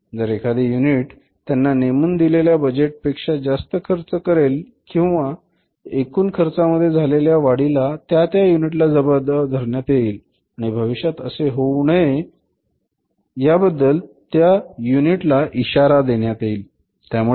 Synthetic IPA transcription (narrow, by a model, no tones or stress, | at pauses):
d͡zəɾekʰad̪ejuniʈ | t̪janːanemund̪ileljabəd͡ʑeʈ̚pekʂad͡zast̪əkʰəɾt͡səkəɾel | kĩw̃ʋa | ekuːnkʰəɾt͡saməd̪ʱːjed͡zʱaleljaʋaɽilat̪jat̪jajuniʈlad͡zəbəɾd̪ad̪ʱəɾɳjat̪eil | aɽ̃ibʱəʋiɕjat̪əseɦowɳəe | jabəd̪ːəlt̪jajuniʈlaʔiɕaɾad̪eɽjat̪eil | t̪jamu